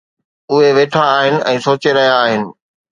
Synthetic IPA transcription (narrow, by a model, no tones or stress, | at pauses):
ʊɦeʋeːʈʰaːɦɪnɪ̆ʔɛ̃ːsoːt͡ɕeɾɐɦjaːɦɪnɪ̆